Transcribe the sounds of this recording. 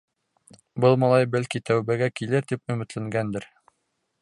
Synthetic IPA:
bɤlˠmɑlˠɑjbælkit̪æwbæɡækilɘɾt̪ipɵ̆mɘ̆t̪læŋɡænd̪ɘɾ

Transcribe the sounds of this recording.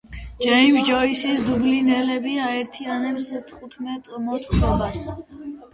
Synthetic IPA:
d͡ʒaimʒd͡ʒɔisisd̪ublinɛlɛbiaɛɾt̪ʰianɛpst̪ʰχut̪ʰmɛt̪ʼmɔt̪ʰʼχɔbas

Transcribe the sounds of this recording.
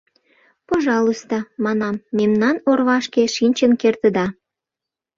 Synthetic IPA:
poʒɑlust̪ɑmɑnɑmːemnɑnorβɑʃkeʃinʲt͡ɕənkert̪əd̪ɑ

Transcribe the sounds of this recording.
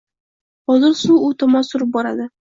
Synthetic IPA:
ɒzɪlsuʊt̪ʰɒmɒnsʊɾɪp̚bɒɾad̪ɪ

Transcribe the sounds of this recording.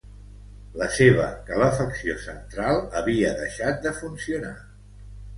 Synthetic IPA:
ləseβ̞ə̰kələfəksiosənt̪ɾalˠəβiəðəʃat̪̚d̪əfunsiuna

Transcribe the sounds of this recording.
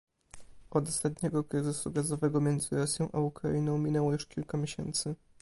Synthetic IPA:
ɔd̪ɔst̪at̪ɲɛɡɔkɾɘzɘsuɡazɔvɛɡɔmʲjɛnd̪zɘɾɔsʲjɔ̃w̃ʔaukɾa̰inɔ̃w̃mʲinɛwɔjuʂkʲilkamʲjeɕɛ̰nt̪sɘ

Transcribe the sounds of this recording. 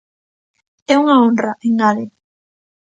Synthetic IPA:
ɛuŋaonraʔeŋɡale

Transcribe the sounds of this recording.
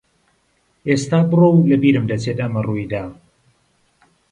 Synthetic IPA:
ʔest̪aːbɨrowlɐbiːɾɨmd̪ɐt͡sʰet̪ʼʔɐmɐruid̪aː

